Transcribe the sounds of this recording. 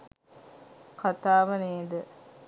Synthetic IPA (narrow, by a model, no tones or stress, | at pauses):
kat̪aːʋəneːd̪ə